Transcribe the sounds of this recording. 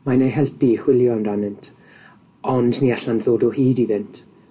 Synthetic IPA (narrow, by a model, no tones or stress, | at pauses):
maneɦɛlˠpʰiχw̥ɪlˠjɔnranɨntʰ | ɔndniaɬanðoːdɔhiːdiðɪntʰ